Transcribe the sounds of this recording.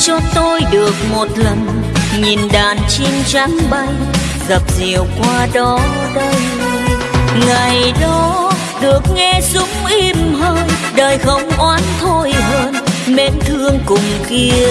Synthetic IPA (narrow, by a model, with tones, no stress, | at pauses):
t͡ɕɔ˧t̪o˧jɗɨ˨˩ək̚mo˨˩t̚lə˨˩ŋ | ɲi˨˩nɗaː˨˩nt͡ɕi˧nt͡ɕa˨˦ŋɓa˧j | ɣə˨˩p̚zi˨˩əwkwaː˧ɗɔ˨˦ | ɗə˧j | ŋa˨˩jɗɔ˨˦ | ɗɨ˨˩ək̚ŋɛ˧sʊ˨˦ŋ͡mʔi˧mɦəː˧nɗəː˨˩jxə˧˩wŋ͡mʔwaː˨˦nt̪ʰo˧jɦəː˧nɓe˨˦nt̪ʰɨ˧əŋkʊ˨˩ŋ͡mki˧ə